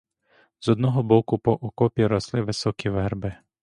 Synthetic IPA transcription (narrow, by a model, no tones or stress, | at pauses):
zɔd̪nɔɦɔbɔkʊpɔʔɔkɔpʲiɾɔslˠɪʋɪsɔkʲiʋɛrbɪ